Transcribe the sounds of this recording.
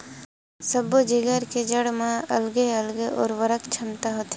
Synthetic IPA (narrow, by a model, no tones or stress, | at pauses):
səbod͡ʒiɡəɾked͡ʒəɽmãɐ̰lɡeəlɡeʔɔ̰ːɾʋəɾəkt͡ʃʰɐmt̪aɦot̪e